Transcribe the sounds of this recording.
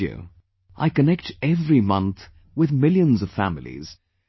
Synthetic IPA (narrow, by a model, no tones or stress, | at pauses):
ə̰ | ʔa̰ɪkənɛk̚tɛvɹimʌ̃nθ | wɪðmɪljə̃nzʌv̥fæmɪlḭz̥